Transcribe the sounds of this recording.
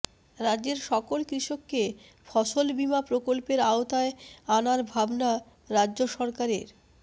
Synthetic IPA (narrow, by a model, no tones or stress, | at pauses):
ɾadːd͡ʑeɾʃɔkolkɾiʃokːe | fʰɔʃolbimapɾokolpeɾaot̪aeanaɾbʱabna | ɾadːʑoʃɔɾkaɾeɾ